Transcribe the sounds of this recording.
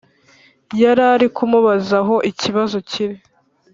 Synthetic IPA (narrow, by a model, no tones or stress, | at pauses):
jaɾaɾikumuβazaɦo̞ʔiciβazo̞ciɾi